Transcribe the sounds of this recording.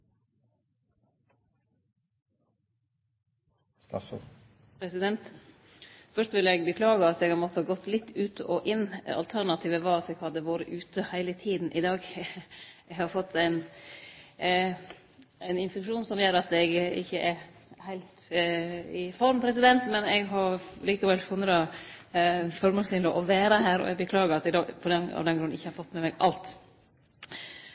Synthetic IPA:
st̪ɑf | pʰɾɛsɪd̪ɛnt̪ | fœʂt̪ʋɪlɛɡbəkʰlɑːɡəɑt̪ɛːɡhɑɾmɔt̪ːəhɑɡɔt̪ːlɪt̪ːʉːt̪ɔʔɪnːɑ̰lt̪ʰæɾɳɑt̪ʰiːʋəʋɑɑt̪ɛɡhɑd̪ːəʋoːɾəʔʉːt̪əhæɪlət̪ʰiːd̪n̩ʔɪd̪ɑːɡ | ɛɡhɑɾfɔt̪ʰːæɪn | æɪnɪnfɛkʂuːnsɔmjøːɾɑt̪ɛɡɪ̰çːəʔɛɾ | hæɪlt̪ | ɪfɔɾmpʰɾɛsɪd̪ɛnt̪mɛnɛɡɦɑɾliːkɑʋɛlfʊnːəd̪ɑ | fɔɾmɑsɪnɔʔɔʋæːɾəɦæːɾɔ̰ɛɡbəkʰlɑːɡəɾɑt̪ɛd̪ɑːɡpʰɔd̪ɛɑ̰ʋd̪ɛnɡɾʉn̩ɪçːəhɑɾfɔt̪ːmɛmɛɡɑ̰lt̪

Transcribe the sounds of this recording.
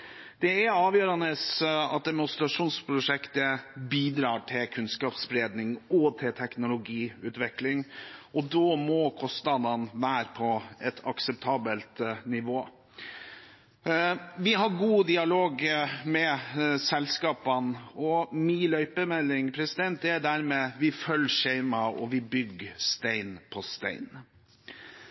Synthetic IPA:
d̪̥ɛæɑːʋjøːɾɑnəsɑ̰t̪̚d̪ɛmʊst̪ɾɑʂuːnspʰɾʊʂɛkt̪əbiːd̪ɾɑːʈʰɪlkʰʉnskɑːpsbɾeːd̪nɪŋɔt̪ʰɪlt̪ʰɛknʊlʊɡiːʉːt̪ʋɛklɪŋʔɔd̪ɔmɔkʰɔst̪nɑd̪ɑnʋæːɾpʰɔɛt̪ʰɑksɛpt̪ʰɑːbəlt̪nɪʋoː | ʋɪɦɑɾɡuːd̪ɪɑloːɡmɛsɛlskɑːpɑnɔmiːlœʏpəmɛlːɪŋpʰɾɛsɪd̪ɛnt̪̚d̪ɛæɖæɾmɛʋɪfœlʂeɪmɑɔ̰ʋɪbʏɡst̪æɪnpʰɔst̪æ̰ɪn

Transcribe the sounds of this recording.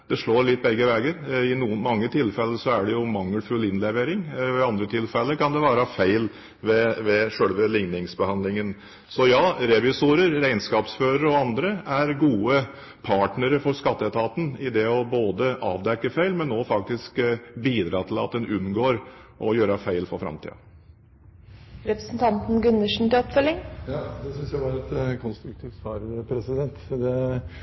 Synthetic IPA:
d̪̥ɛʂɭoːɾɭɪt̪̚ːbɛɡːəʋeːɡəɾɪnuːənmɑŋːət̪ʰɪlfɛlːəsɔæɖɛjʊmɑŋːəlfʉlɪnlɛʋeːɾɪŋɔɪɑnd̪ɾət̪ʰɪlfɛlːəkɑnd̪ɛʋɑːɾəɑfæɪl | ʋɛʋɛʂøːɽʋəlɪŋnɪŋsbəhɑnd̪lɪŋən | sɔjɑːɾɛʋɪsuːɾəɾːæɪnskɑːpsføːɾəɾɔɑnd̪ɾəæɾɡuːə | pʰɑːʈnəɾəfɔɾskɑt̪ːəɛt̪ʰɑːt̪n̩ɪd̪ɛɔboːd̪əʔɑ̰ːʋd̪ɛkːəfæɪlmɛnːoːfɑk̚t̪ɪskbiːd̪ɾɑːt̪ʰɪlɑt̪̚d̪ɛnʉnɡoːɾʔɔjøːɾəfæɪlfɔɾfɾɑ̰mt̪ʰḭːɑ̰ | ɾɛpɾəsnt̪ʰɑnt̪n̩ɡʉnːəʂɳ̩t̪ɪlɔpfœlːɪŋjɑd̪ɛsʏnsjæɪʋɑːɾɛt̪kʰɔnst̪ɾʉk̚t̪ʰiːft̪ɑːɾpʰɾɛsɪd̪ɛnt̪d̪ɛ

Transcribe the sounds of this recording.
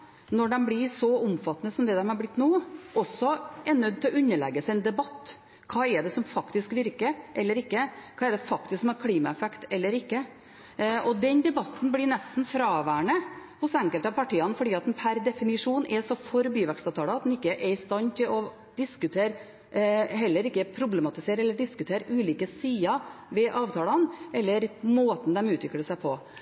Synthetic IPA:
nɔɖɛmblɪsɔʊmfɑt̪ːənəsɔmd̪ɛd̪ɛmhɑɾblɪt̪ːnuːʔɔsːɔʔɛnœd̪̚t̪ʰɪlɔʉnːəɭɛ̰ɡːəsɛɪɛnd̪ɛbɑt̪ː | kʰɑːɛɖ̪ɛsɔmfɑkt̪ɪskʋɪɾkəʔɛlːəɾɪkːəkʰɑːɛɖ̪ɛfɑkt̪ɪsksmɛɾkʰliːmɑɛfɛkt̪ɛlːəɾɪkːə | ʔɔd̪ɛnd̪ɛbɑt̪nblɪnɛst̪n̩fɾɑːʋæːɳəhʊsɛŋkəlt̪ɑpɑʈiːɑnfɔɖiːɑt̪d̪ɛnpʰæɾd̪ɛfɪnɪʂuːnɛsɔfɔɾbyːʋɛkst̪ɑʋt̪ʰɑːlɑɑt̪̚d̪ɛnɪkːəʔɛɪst̪ɑnt̪ʰɪlɔ | d̪̥ɪskʉt̪ʰeːɾ | ɦɛlːəɾɪkːəpʰɾʊblɛmɑt̪ɪseːɾɛlːəɖɪskʉt̪ʰeːɾʉːliːkəsiːɑʋɛʔɑːʋt̪ʰɑːlɑnʔɛlːəɾmoːt̪n̩d̪ɛmʉːt̪ʰʋɪkːəɖəsæɪpʰɔ

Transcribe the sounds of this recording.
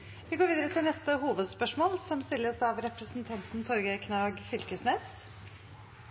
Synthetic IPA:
ʋɪɡoːʋiːd̪əɾət̪ʰɪlnɛst̪əhuːʋəd̪spœʂmoːlsɔmst̪ɪlːəsɑʋɾɛpɾəsn̩t̪ʰɑnt̪n̩t̪ʰɔɾɡəkʰnɑːɡfʏlkəsneːs

